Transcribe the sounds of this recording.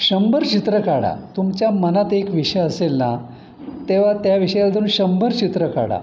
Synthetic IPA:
ɕəmbʱəɾt͡ɕit̪ɾəkaɽa̰t̪umt͡ɕjamənat̪ekʋiʂəjəselna | t̪eʋ̤at̪jaʋiɕəjalat̪uːnɕəmbʱəɾt͡ɕit̪ɾəka̰ɽa̰

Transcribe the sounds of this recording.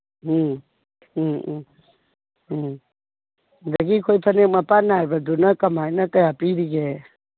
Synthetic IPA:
dɐɡikʰojpʰɐnek̚mɐpanajbɐdunɐkɐmajnɐkɐjapiɾiɡe

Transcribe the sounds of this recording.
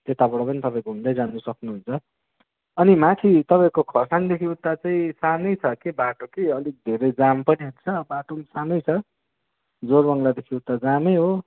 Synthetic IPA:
t̪et̪abʌɽʌpʌnit̪ʌpaĩkoɦund̪ʌjd͡zanusʌknuɦunt͡sʰʌ | ʌnimãk̪ʰit̪ʌpãĩkokʰʌrsand̪ekʰiut̪ːat͡saĩsanʌjt͡sʰʌkebaʈokiʌlik̚d̪ʱeɾʌjd͡zampʌniɦunt͡sʰʌbaʈomsanʌjt͡sʰʌ | d͡zorbʌŋlad̪ekʰiut̪ːad͡zamʌjɦo

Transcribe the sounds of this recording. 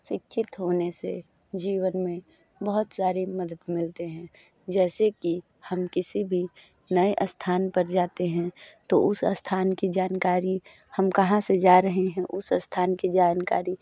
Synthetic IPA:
ʃɪkʃʰɪt̪ɦoːnesḛ | d͡ʒiːwənmẽ | bɐɦʊt̪saːɾeməd̪əd̪mɪlt̪eɦɛ̃ | d͡ʒɛːseki | hɐmkɪsibʱi | nɐeʔst̪ʰaːnpɐɾd͡ʒaːt̪eɦɛ̃t̪oʔʊsəst̪ʰaːnkid͡ʒaːnkaːɾi | hɐmkɐɦãsed͡ʒaːɾɐɦeɦɛ̃ʔʊsəst̪ʰaːnkid͡ʒaːnkaːɾi

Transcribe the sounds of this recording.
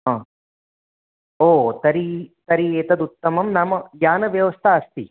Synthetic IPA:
ɦãː | oːt̪ɐɾit̪ɐɾieːt̪ɐd̪ut̪ːɐmɐmnamɐjaːnɐʋjɐʋɐst̪ʰɐɐst̪i

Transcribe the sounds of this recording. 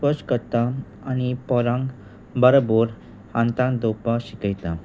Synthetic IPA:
pəskəɾt̪a | añipɔɾãŋɡ | bəɾboɾ | hãnt̪ãŋkd̪opaɕikəjt̪a

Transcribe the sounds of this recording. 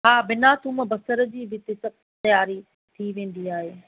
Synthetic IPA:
ɦaːbɪnaːt̪umbɐsəɾə̆d͡ʑiːʋɪt̪esɐb̚ | t̪ɐjaːɾi | t̪ʰiʋẽːn̆d̪iaːɦeː

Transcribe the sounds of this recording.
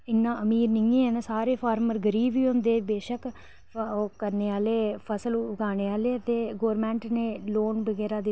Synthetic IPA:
ɪnːãːʔəmiːɾnɪẽːɛ̃ːnasaːɾeːpʰaːɾməɾɡəɾiːbiːɦʊ̃nd̪eːbeːʃəkː | kəɾneːaːleːpʰəsəlʊɡaːñeːaːleːt̪eːɡoːɾmɛ̃ːɳʈnẽːloːnbəɡɛːɾaːd̪ɪ

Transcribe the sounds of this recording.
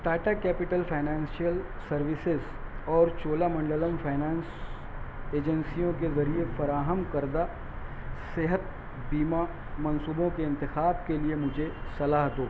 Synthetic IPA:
ʈaːʈakɛːpɪʈəlfʰaːɪnãːnsijəlsɐɾʋɪsɪz | ɔːɾt͡ʃoːlamɐ̃ɳɖələmfʰaːɪnãːns | eːd͡ʒənsijõkezɐɾiefɐɾaːɦəmkɐɾd̪a | seɦət̪̚ | biːma | mɐ̃nsuːbõkeɪ̃nt̪ɪxaːbkeliemʊd͡ʒʱesɐlaːɦd̪oː

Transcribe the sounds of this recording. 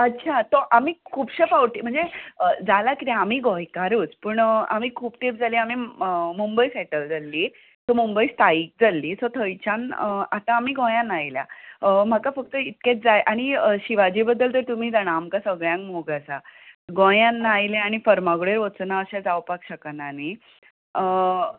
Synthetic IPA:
ətːt͡ɕʰat̪oʔamiːkʰuːpɕepawʈim̤əɳd͡zeəd͡zalakit̪aamiːɡõjkaɾuːt͡spuːɳa̰m̤iːkʰuːpt̪ʰep̚d͡zaliːamiəmumbəisɛʈəld͡zalːiː | t̪omumbəist̪aiːk̚d͡zalːiːt̪ot̪ʰəjt͡ɕanat̪ãːmiːɡõjãnajlja̰əm̤əkafək̚t̪əit̪̚kʲet͡sd͡zajʔaɽ̃iəɕiʋad͡ʑiːbəd̪ːəltːəɾt̪um̤iːd͡zaɽ̃aːmkasəɡɭjãŋkmoɡasaɡõjãnːajleaɽ̃ifəɾmaɡɭeɾʋət͡snaəɕãd͡zawpakɕəkanani | ə

